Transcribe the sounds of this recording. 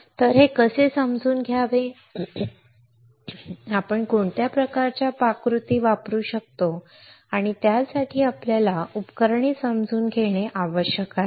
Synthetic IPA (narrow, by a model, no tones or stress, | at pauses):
t̪əɾɦekəsesəmd͡zuːnɡʱjaʋe | apəɳkoɳt̪japɾəkaɾt͡ɕjapakɾut̪iːʋapɾuːɕək̚t̪o | aɽ̃it̪jasaʈʰiːapljalaupkəɾɳiːsəmd͡zʱuːnɡʱeɽ̃eʔaʋəɕjəka